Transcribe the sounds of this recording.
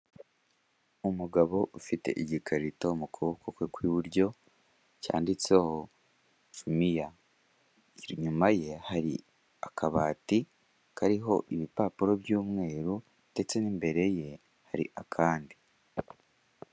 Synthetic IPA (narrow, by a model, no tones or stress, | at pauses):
umuɡaβo̞ʔufite̞̰ʔiɟikʰaɾitoumukʰoβokokwekwiβuɾɟo̞ | ca̰ːndit͡seho | ʃumija | ɲumaje̞haɾḭ | akʰaβaːti | kʰaɾiɦo̞ʔiβipaːpuɾo̞bjuːmŋe̞ːɾu | nde̞t͡se̞nimbe̞ɾe̞je̞ | haɾḭʔakʰaːndi